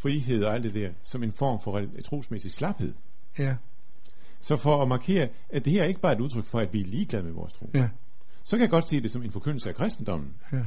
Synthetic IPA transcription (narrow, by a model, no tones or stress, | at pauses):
fʁiɦe̝ð̞̰ˠɒ̽æld̥ed̥æɐ̰sɒ̽me̝nfɒ̰ːmfɒʁ | t͡sʰʁo̝̰ːsmesislɑ̈b̥he̝ð̞̰ˠ | sɒ̽fɒ̽ɒmɑ̈kʰe̝̰ːɐ | æd̥e̝hæɐæɐe̝ɡ̥əb̥ɑ̈ːe̝ɾuð̞ˠt͡sʰʁœɡ̥fɒ̽æd̥ʋiæɐliːɡ̥lɛð̞ˠmeʋɒ̰ːst͡sʰʁo̝̰ː | sɒ̽kʰæjäɡ̥ɒ̽d̥se̝̰ːd̥e̝sɒ̽me̝nfɒ̽kʰøn̰l̩səækʰʁɛsd̥n̩d̥ɒ̽m̰n̩